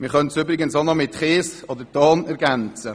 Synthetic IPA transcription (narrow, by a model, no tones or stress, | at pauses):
mɪɾχœntsʏbɾɪɡənsɔnɔmɪtχeːsɔd̪əɾtɑːnɛɾɡænt͡sə